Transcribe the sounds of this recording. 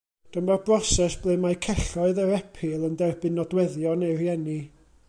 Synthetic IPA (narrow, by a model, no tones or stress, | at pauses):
d̥əmbarbrɔsɛsb̥lˠemajkʰɛɬɔɨðəɾɛpʰɪlˠəndɛrb̥ɪnɔdwɛðjɔnejrjɛni